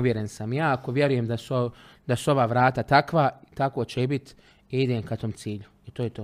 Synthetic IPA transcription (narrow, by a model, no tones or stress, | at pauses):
ʋjeɾensamjaːako̞ʋjeɾujemd̪asuo | d̪asuo̞ʋaːʋɾaːt̪at̪akʋait̪ako̞ːt͡ɕebit̪ | iid̪emkat̪omt̪siːʎu | it̪oːjet̪oː